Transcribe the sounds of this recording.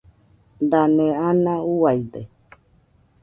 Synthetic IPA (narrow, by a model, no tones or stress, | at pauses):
d̪anẽanãuajde